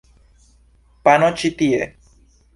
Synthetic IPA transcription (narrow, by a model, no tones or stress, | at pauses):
panot͡ʃit̪iḛ